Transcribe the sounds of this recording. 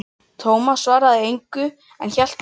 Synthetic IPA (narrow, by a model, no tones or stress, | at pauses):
t̪ʰoːwmasvaːɾaðɪejŋkʏ | ɛ̰nçɛl̥t̪